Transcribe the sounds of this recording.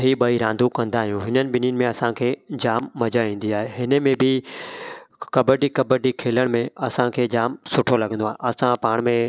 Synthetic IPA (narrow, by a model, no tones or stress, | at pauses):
ɦiɓɐiɾãːnd̪ʱukɐ̃nd̪aːɦijũɦɪnənɪ̆ɓɪnijənɪ̆mẽɐsãkʰeːd͡ʑaːmːɐd͡ʑaĩːn̆d̪iaːɦeɦɪnə̆mẽbʱɪ | kɐbəɖikɐbəɖikʰeːləɽ̃mẽɐsãkʰeːd͡ʑaːmsʊʈʰolɐɡʱə̃nd̪oaːɦeɐsãpaːɽ̃mẽ